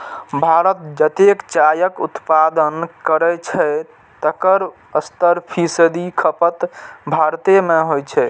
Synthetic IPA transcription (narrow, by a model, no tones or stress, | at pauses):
bʱaɾət̪̚d͡ʒət̪ekt͡ʃajəkut̪pad̪ənkəɾɛt͡ʃʰɛ | t̪əkəɾ | əst̪əɾpʰisd̪ikʰəpət̪bʱaɾt̪emeɦojt͡ʃʰɛ